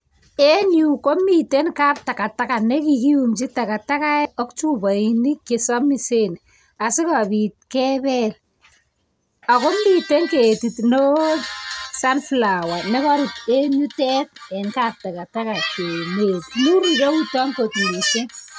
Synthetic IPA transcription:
e˦nu˨ko˦mite˦nka˦p̚ta˨ka˨ta˦ka˨ne˦kiki˦u˨mt͡ʃi˦ta˨ka˨ta˦ka˦ɔ˦kt͡ʃu˦ba˨ini˦ke˨sɔ˦mi˨se˦n | a˨sɪ˦ka˨bi˨t̚kɛbɛl | a˨ko˦mi˨te˦nketi˨tno˦ | sa˦nfla˨wa˨nɛ˦kɔ˦ɾɪ˨te˦ɲu˦tɛ˦t̚ɛ˨nkaːp̚ta˨ka˨ta˦ka˨ke˨metmu˦ri˨ɾo˦u˦tɔ˦ŋko˨ti˨me˨ʃe˦

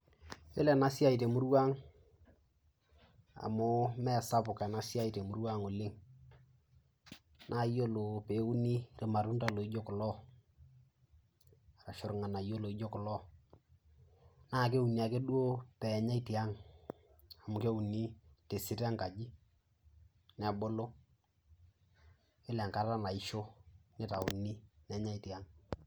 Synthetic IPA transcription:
jo˦la˨na˨˦sja˦i˨te˨mʊ˦ɾwa˦ŋ | a̰˨mʊ˦mɛ˦˨sa˦pʊ˨kɛ˨na˦sja˦i˨te˨mʊ˦ɾwa˦ŋo˨lɪ˦ŋ | nʔaː˦˨˦jo˦lo˨pe˨˦u˦ni˦rɪ˨ma˨ɾu˦nta˨lo˨i˦d͡ʒo˦kʊ˨lɔ˦ | a˨ɾa˨ʃʊ˨ɾŋa˨na˨jo˦lo˨i˦d͡ʒo˦kʊ˨lɔ˦ | naː˦˨k̬e˦u˨ni˨a˨ke˦ɗu˦o˦pɛ˨ɲa˦i˦ti˨a˦ŋ | a˨mʊ˨ke˦u˨ni˦te˨si˦ta˦ŋka˨d͡ʒi˦ | nɛ˨bo˦lo˦ | ɪ˦lɛ˨ŋka˦ta˦na˨i˦ʃo˦nɪ˦ta˨ṵ˨ni˦nɛ˨˦ɲa˦i˦ti˨a˦ŋ

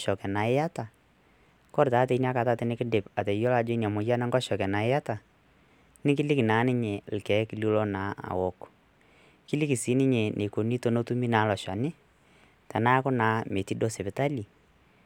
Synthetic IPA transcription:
ʃɔ˨kɛ˨na˨ɪ˦ja˦ta˨ | kɔ˦ɾta˨˦te˨i˦n˦a˦ka˨ta˦tɪ˦nɪ˦kɪ˦dɪ˨pa˨tɛ˨jo˦la˨d͡ʒɔ˦i˦n˨a˨mʊ˨ja˦nɛ˦ŋɡɔ˦ʃɔ˨kɛ˨na˨ɪ˦a˦ta˨ | nɪ˦k̬ɪ˦lɪ˦ki˨naː˨˦nɪ˦ɲe˨lkɛ˨˦kɪ˦lu˦lɔ˦naː˨˦a̰˨wɔ˨˦k | kɪ˦lɪ˦ki˨si˨˦nɪ˦ɲe˨nʔe˨ko˨ni˦to˦no˦tu˦mi˦naː˨˦lɔ˨ʃa̰˨nɪ˦ | tɛ˨na˦kʊ˦naː˨˦me˨ti˦do˦se˨pɪ˨ta˦li˨

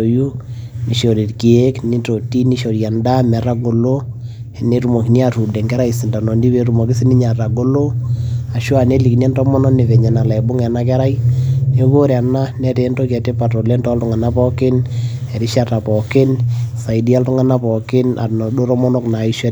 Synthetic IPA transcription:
o˨ju˦ni˨ʃɔ˨ɾi˨tki˨e˦kni˦to˨ti˦ni˦ʃɔ˨ɾja˨nda˦mɛ˨ɾa˦ɡo˨lo˦ | ɛ˨ne˦ɾu˨mo˨ki˨ni˦a˨tu˨dɛ˨ŋɡɛ˦ɾa˦isi˨nda˨nɔ˨ndi˦be˦ɾu˨mɔ˨kɪ˦si˦ni˦ɲa˨ɾa˨ɡo˦lo˦a˨ʃu˦a˨ne˦li˨knɛ˦ntɔ˦mɔ˦nɔ˦ne˨vɛ˨ɲɛ˨na˨la˨ɛ˨bʊ˦ŋɛ˨na˦k̬ɛ˦ɾa˦jne˦ko˦ɾa˨na˦nɛ˦te˦ntɔ˦kɛ˨te˦pa˨tɔ˨lɛ˦ntɔ˦a˦ltʊ˦ŋa˨na˦pɔ˦kɪ˦n | ɛ˨ɾi˦ʃa˦ta˨pɔ˨kɪ˦nsa˨i˨di˦a˦ltu˦ŋa˦na˦pɔ˨kɪ˦na̰˨nɔ˨do˦ɾɔ˦mɔ˦nɔ˦kna˨i˦ʃɛ˦

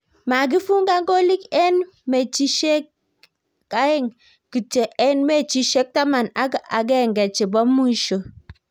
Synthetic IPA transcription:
ma˨ɡ̬i˦fu˦ŋɡa˦ŋɡo˦li˦kɛ˦n | me˨t͡ʃi˦ʃe˦kː | a˦ɛ˦˨ŋ | ki˨t͡ʃe˨ʔɛ˦nme˦˨t͡ʃi˦ʃe˦k̚ta˦ma˨na˦ɡa̰˨ɡɛ˦˨ŋɡɛ˨t͡ʃɪ˨bɔ˦mːu˦ʃo˨

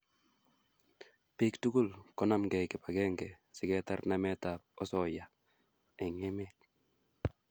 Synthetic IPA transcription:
pektu˦ɡu˦lkɔ˦namɡɛ˨kɪ˨pa˨ɡɛ˦ŋɡɛ | sɪ˦kɛtarnamɛ˦tap̚ɔ˦sɔ˨ja˨ | ɛ˨ŋɛmɛt̚

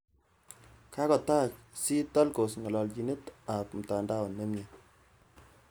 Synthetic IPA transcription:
ka˦kɔ˨ta˦t͡ʃsi˦tɔ˦lko˨sŋɔ˨lɔ˨lki˨ne˦ta˨p̚m̩˨ta˨nda˦wɔ˨ne˦mɲe˨

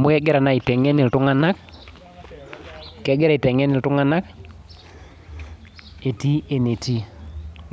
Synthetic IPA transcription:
mʊ˦ɛ˦ɡɛ˦ɾa˨na˨ɪ˨tɛ˨ŋɛ˦nɪ˨ltʊ˦ŋa˦na˦k | kɛ˦ɡɛ˦ɾa˨ɪ˨tɛ˨ŋɛ˦nɪ˨ltʊ˦ŋa˦na˦k | e˨ti˦e˨ne˨ti˦

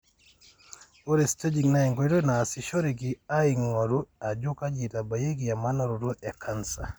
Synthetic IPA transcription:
ɔ˦ɾɛ˨ste˦d͡ʒiŋna˦ɛŋɡɔi˦ɾɔ˦naː˨si˨ʃo˦ɾiɡi˨a˦iŋɔ˨ɾu˦a˨d͡ʒu˦ka˦d͡ʒi˨ta˨baje˦ɡi˨ja˨ma˦nɔ˦ɾu˨ɾɔ˦ʔɛ˨kʰa˦nsa̰˨

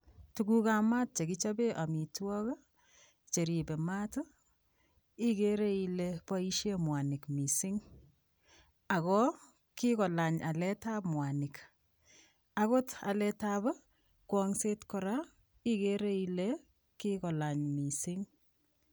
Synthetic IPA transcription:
tukuka˦ma˦t̚t͡ʃe˨ki˦t͡ʃa˦be˦ʔa˨mi˨twɔ˦ka˦ | t͡ʃe˨ɾi˨be˨ma˦tɔ˦ | i˦ke˦ɾe˦i˨lepa˦i˦ʃje˦mwa˨nɪ˨kmi˨sɪ˦ŋ | a˨kɔ˦ | ki˦kɔ˨la˨ɲa˨lɛ˦ta˦pmwa˨nɪ˨k | ako˦ta̰lɛtaba˦ | kwɔŋse˦tkɔɾa˦ | i˦ke˦ɾe˦ile | ki˦kɔ˨la˨ɲmi˨sɪ˦ŋ

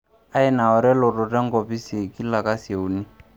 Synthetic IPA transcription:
a˦ɛ˦na˨ɔ˨ɾɛ˦lɔ˨ɾɔ˨tɛ˦ŋ˦ɡɔ˨pi˦si˨ki˦la˨ka˦se˨u˨ni˦

